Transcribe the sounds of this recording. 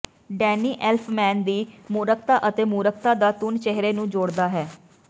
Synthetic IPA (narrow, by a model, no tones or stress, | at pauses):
ɖɛːniːʔɛlpʰmɛ̃ːnd̪iːmuːɾəkʰt̪aːʔət̪eːmuːɾək̚t̪aːd̪aːt̪ʊnt͡ʃɛɦɾeːnũːd͡ʒoːɽd̪aːɦɛː